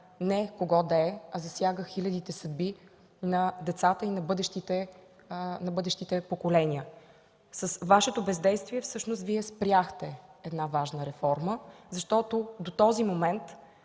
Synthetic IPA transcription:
nɛkoɡɔd̪ɐɛɐzɐsjaɡəxilʲɐd̪it̪ɛsɐd̪̚bi | nɐd̪ɛt̪sat̪əinɐbɤd̪ɛʃt̪it̪ɛ | nɐbɤd̪ɛʃt̪it̪ɛpokolɛniə | səsvaʃɛt̪obɛzd̪ɛjst̪viɛfsɤʃnʊst̪viɛspɾjaxt̪ɛɛd̪navaʒnəɾɛfɔɾməzɐʃt̪ɔt̪od̪ot̪ɔzimomɛnt̪

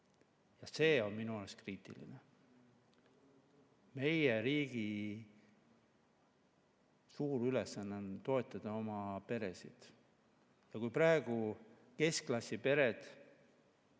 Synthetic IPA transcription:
jɑse̞ːo̞nminuoleskriːt̪ˑḭlḭne | me̞jeɾiːɡ̥i | suːɾylesːɑnːeont̪o̞e̞t̪ːˑɑd̪̥ɑo̞mɑpe̞ɾe̞sḭd̪̥ | jɑkujpɾɑeɡ̥u | ke̞sklɑsʲːipe̞ɾe̞d̪̥

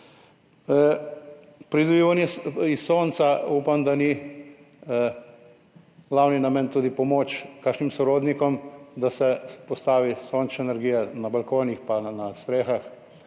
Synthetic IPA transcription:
pɾid̪ɔbiːʋanjɛisːoːnt̪sauːpamd̪ani | ɡlaːwninamɛnt̪uːd̪ipɔmoːt͡ʃkakʃnimsɔɾoːd̪nikɔmd̪asɛpɔst̪aːʋisoːnt͡ʃɛnɛɾɡiːjɛnabɐlkoːnixpanast̪ɾeːxax

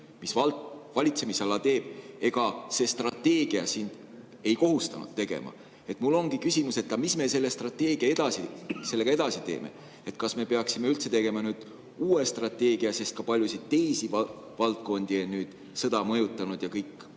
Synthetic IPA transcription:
misvɑlt̪vɑlʲit̪se̞misɑlːɑt̪e̞ːb̥e̞ɡ̥ɑse̞st̪rɑt̪ːe̞ːɡ̥iɑ̰sind̪̥ | e̞jko̞ɦust̪ɑ̰nṵd̥̪̚t̪eɡ̥e̞̰mʔɑ̰ | e̞t̪ˑmulːo̞ŋɡikysʲimuse̞t̪ːˑɑmisme̞se̞lːest̪rɑt̪ːˑe̞ːɡ̥iɑe̞d̪ɑsise̞lːe̞ɡ̥ɑe̞d̪ɑsit̪e̞̰ːmḛ | et̪kɑsme̞pe̞ɑksime̞ylt̪se̞t̪e̞ɡ̥e̞mɑnyːd̪̥ | uːest̪rɑt̪ːˑe̞ːɡ̥iɑse̞st̪̚kɑpɑlʲjusid̪̚t̪e̞jsivɑ | vɑlt̪̚ko̞nd̪̥ienyːd̪̥ | sɤ̞d̪ɑmɤjut̪ˑːɑnud̪̥jɑkɤjkːˑ

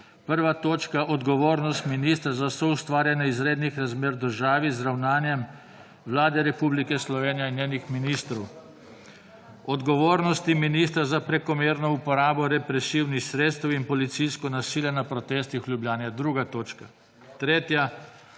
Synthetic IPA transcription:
pəɾʋat̪oːt͡ʃkaʔɔd̪ɡɔʋoːɾnɔst̪miniːst̪ɾazasɔust̪ʋaːɾjɛnɛizɾeːd̪nixɾazmeːɾd̪əɾʒaːʋizɾawnaːnjɛm | ʋlaːd̪ɛɾɛpublikɛslɔʋeːnijainjeːnjixminist̪ɾɔw | ɔd̪ɡɔʋoːɾnɔst̪iminiːst̪ɾazapɾɛkɔmeːɾnɔupɔɾaːbɔɾɛpɾɛsiwnixsɾeːt̪st̪ɛwinpɔlit̪sijskɔnasiːljanapɾɔt̪eːst̪ixlʲjublʲjaːnjɛd̪ɾuːɡat̪oːt͡ʃka | t̪ɾeːt̪ja

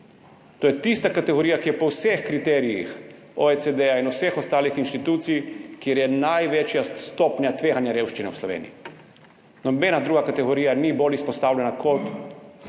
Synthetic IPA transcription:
t̪oːjɛt̪ist̪akat̪eɣoɾijakijɛpowsexkɾit̪ɛːɾijḭx | oesed̪ɛjainusexost̪aːlixinʃt̪it̪uːt̪sijkjeɾjɛnajʋet͡ʃjast̪opɲat̪ʋeːɦanjaɾeːwʃt͡ʃinɛusloʋḛːnḭji | nobenad̪ɾuːɡakat̪eɣoɾijaniboːlʲjispost̪aːwlʎɛnakot̪

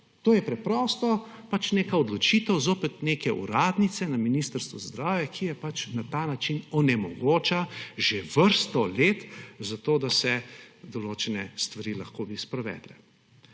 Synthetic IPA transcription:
t̪oːjɛpɾɛpɾɔːst̪ɔ | pat͡ʃneːkaɔd̪lɔt͡ʃiːt̪ɛwzoːpɛt̪neːkɛʔṵɾaːd̪nit̪sɛnaminiːst̪əɾst̪ʋɔzd̪ɾaːwjɛkʰijɛpat͡ʃnat̪aːnat͡ʃinɔnɛmɔɡoːt͡ʃaʒeʋəɾst̪ɔleːt̪zat̪oːd̪asɛd̪ɔloːt͡ʃɛnɛst̪ʋaɾiːlaxkoːbispɾɛʋɛ̰ːd̪lɛ̰

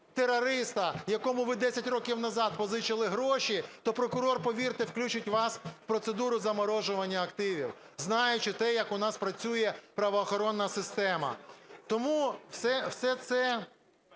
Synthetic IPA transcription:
t̪eɾɔɾɪst̪ɐjɐkɔmʊʋɪd̪ɛsʲɐtʲrɔkʲiwnɐzɑd̪̚pɔzɪt͡ʃɪlˠɪɦɾɔʃit̪ɔpɾɔkʊɾɔrpɔʋʲirt̪ɪwklʲut͡ʃɪtʲʋɑsfpɾɔt̪sed̪uɾʊzɐmɔɾɔʒʊʋɐnʲːɐːkt̪ɪʋʲiw | znɑjʊt͡ʃɪt̪ɛjɐkʊnɑspɾɐt͡sʲujɛpɾɐʋɔːxɔɾɔnːɐsɪst̪ɛmɐ̰t̪ɔmuwsɛwsɛt̪sɛ

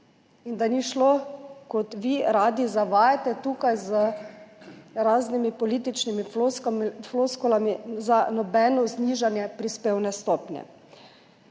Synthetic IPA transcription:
ind̪aniʃlɔkɔt̪ʋiɾaːd̪izaʋaːjat̪ɛt̪uːkajzə | ɾaːznimipɔliːt̪it͡ʃnimi | floskɔlamizanɔbɛnɔzniʒanjɛpɾispewnɛst̪ɔːpnʲjɛ̰

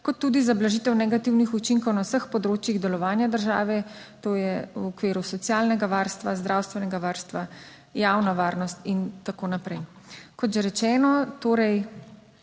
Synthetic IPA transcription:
kɔt̪ːuːd̪izablaʒiːt̪ɛwnɛɡat̪iwnixut͡ʃiŋkɔwnawsəxpɔd̪ɾoːt͡ʃjiɣd̪ɛlɔʋaːnjad̪əɾʒa̰ːʋɛt̪oːjɛwɔkʋeːɾusɔt̪sjaːlnɛɡaʋaːɾst̪ʋazd̪ɾaːwst̪ʋɛnɛɡaʋaːɾst̪ʋa | jaːwnaʋaːɾnɔst̪int̪akoːnapɾɛjkɔt̪ʒɛɾɛt͡ʃɛːnɔt̪oːɾɛj

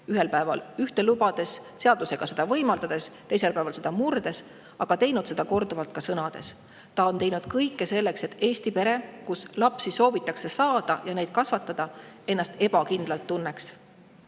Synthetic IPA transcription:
yɦe̞lpæe̞vɑ̰lyht̪elubɑd̪̥e̞sse̞ɑd̪̥use̞ɡ̥ɑse̞d̪̥ɑvɤjmɑld̪ɑd̪̥e̞st̪e̞jse̞lpæevɑlse̞d̪̥ɑmurd̪̥e̞s | ɑɡ̥ɑt̪e̞jnud̪se̞d̪̥ɑko̞rd̪uvɑlt̪̚kɑsɤnɑd̪̥e̞̰s | t̪ɑo̞nt̪e̞jnud̪̥kɤjkːe̞se̞lːe̞kse̞t̪ːˑe̞ːst̪ipe̞ɾe̞kuslɑpsiso̞ːvit̪ːˑɑkse̞sɑːd̪̥ɑjɑne̞jd̪̥̚kɑsvɑt̪ːˑɑd̪̥ɑe̞nːɑst̪e̞b̥ɑkind̪̥lɑlt̪ːunːe̞ks

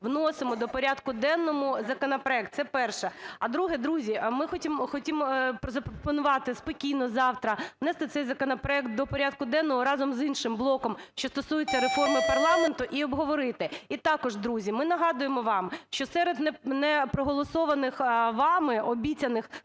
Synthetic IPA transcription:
ʋnɔsɪmɔd̪ɔpɔɾʲad̪kʊd̪ɛnːɔmʊzɐkɔnɐpɾɔɛk̚t̪sɛpɛrʃɛɐd̪ɾuɦɛd̪ɾuzʲimɪxɔtʲimxɔtʲimpɾɔzɐpɾɔpɔnʊʋɑt̪ɪspɔkʲijnɔzɑwt̪ɾɐnɛst̪ɪt̪sɛjzɐkɔnɐpɾɔɛkt̪̚d̪ɔpɔɾʲɑd̪̚kʊd̪ɛnːɔɦɔɾɑzɔmzinʃɪmblˠɔkɔmʃt͡ʃɔst̪ɔsujɪt͡sʲːɐɾefɔrmɪpɐrlˠɑment̪ʊʔiɔbɦɔʋɔɾɪt̪ɛit̪ɑkɔʒd̪ɾuzʲimɪnɐɦɑd̪ʊjemɔʋɑmʃt͡ʃɔsɛɾed̪nɛnɛpɾɔɦɔlˠɔsɔʋɐnɪxʋɑmɪɔbʲit͡sʲɐnɪx

